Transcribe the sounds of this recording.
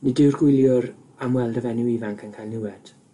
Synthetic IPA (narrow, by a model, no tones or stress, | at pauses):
nidɪwrɡ̥wɪlˠjʊɾ | amwɛlˠdəvɛnɪwivaŋkʰankʰajlˠnɪwɛd̥